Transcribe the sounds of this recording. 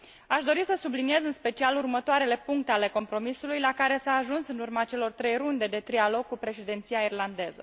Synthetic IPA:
aʃd̪o̞ɾisəsublinije̞zɨnspe̞t͡ʃialurmət̪oaɾe̞le̞puŋk̚t̪eale̞ko̞mpɾo̞misulujlakaɾe̞saːʒunsɨnurmat͡ʃe̞lo̞rt̪ɾe̞jrund̪e̞d̪e̞t̪ɾialo̞ɡ̚kːupɾe̞ʃed̪ent̪sijairland̪e̞zə̰

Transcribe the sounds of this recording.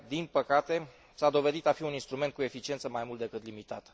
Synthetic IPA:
d̪inpəkat̪e̞ | sad̪o̞ve̞d̪it̪afiuninst̪ɾume̞nt̪̚kue̞fit͡ʃie̞nt̪səmajmult̪d̪ekɨt̪limit̪at̪

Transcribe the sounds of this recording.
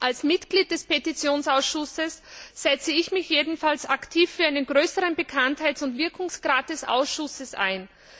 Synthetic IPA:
ʔalsmɪtɡ̥liːt̚d̥ɛspetit͡sjoːnsaʊsʃʊsəsːɛt͡səɪçmɪçjeːdn̩falsaktʰiːfːyɐaɪnənɡʁøːsəʁənbəkʰanthaɪtsʊntv̥ɪɐkʰʊŋsɡ̥ʁaːt̚d̥ɛsʔa̰ʊsʃʊsəsa̰ɪn

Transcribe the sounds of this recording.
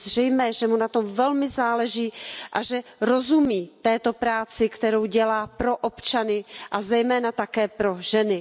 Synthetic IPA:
zr̝ɛjmɛːʒɛmunat̪o̞mvɛlmɪzaːlɛʒiːʔaʒɛɾo̞zumiːt̪ɛːt̪o̞pɾaːt͡sɪkt̪ɛɾo̞wɟɛlaːpɾo̞ʔopt͡ʃanɪʔazɛjmɛːnat̪akɛːpɾo̞ʒɛnɪ

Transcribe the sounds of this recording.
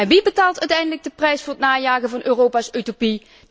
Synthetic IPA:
ɛnʋibətaːlˠtœɥtɛjndələɡ̚dəprɛjsfʊːrətnaːjaːɣəvɑnʔøːrowpaːsøtopi

